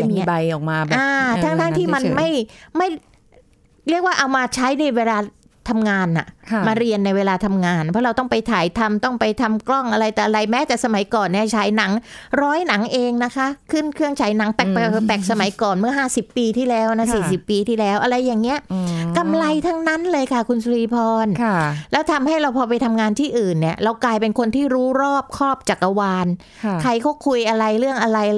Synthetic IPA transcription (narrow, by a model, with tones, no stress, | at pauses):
miː˧˦˥ba˧jʔɔː˨˩k̚maː˧ʔaː˧aː˦˥ŋd̪aː˥˩ŋt̪ʰiː˥˩ma˧nma˥˩jma˥˩j | ɾi˥˩k̚waː˥˩ʔa˧wmaː˧t͡ɕʰa˦˥jna˧jweː˧laː˧ | t̪ʰa˧mŋaː˧nːa̰˨˩maː˧ɾi˧ənːa˧jweː˧laː˧t̪ʰa˧mŋaː˧npʰɔ˦˥ɾa˧wt̪ɔ˥˩ŋpa˧jt̪ʰaː˩˦jt̪ʰa˧mt̪ɔ˥˩ŋpa˧jt̪ʰa˧mklɔ˥˩ŋʔa˧ɾa˧jt̪ɛː˨˩ʔa˧ɾa˧jmɛː˦˥t͡ɕ̪ɛː˨˩sa˧ma˨˩˦jkɔː˨˩nːi˥˩ɐt͡ɕʰaː˩˦jna˩˦ŋɾɔː˦˥jna˩˦ŋʔeː˧ŋna˦˥kʰa˦˥kʰɯ˥˩nkʰɯ˥˩əŋt͡ɕʰaː˩˦jna˩˦ŋp̪ɛ˨˩k̚pɛ˨˩˨p̪ɛ˨˩k̚sa˧ma˩˦jkɔː˨˩nmɯ˥˩ɐɦaː˥˩si˨˩pːiː˧t̪ʰiː˥˩lɛː˦˥wna˦˥siː˨˩si˨˩pːiː˧t̪ʰiː˥˩lɛː˦˥wʔa˧ɾa˧jːaː˨˩ŋːi˦˥ɐka˧mla˧jt̪ʰa˦˧˥ŋna˦˥nlɤː˧jkʰa˥˩kʰu˧nsu˧ɾiː˧pʰɔː˧nʰlɛː˦˥wt̪ʰa˧mha˥˩jɾa˧wpʰɔː˧p̬a˧jt̪ʰa˧mŋaː˧nt̪ʰiː˥˩ʔɯː˨˩nːi˥˩ɐɾa˧wklaː˧jpe˧nkʰo˧nt̪ʰiː˥˩ɾuː˦˥ɾɔː˥˩p̚kʰɔː˥˩p̚t͡ɕa˨˩k̚ʔa˧waː˧n | kʰa˧˩jkʰɔ˥˩kʰu˧jʔa˧ɾa˧jɾɯ˥˩əŋʔa˧ɾa˧j